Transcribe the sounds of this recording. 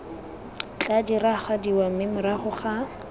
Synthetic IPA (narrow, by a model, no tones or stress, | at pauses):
t͡ɬʼadiraχadiwamɪmʊɾaχʊχa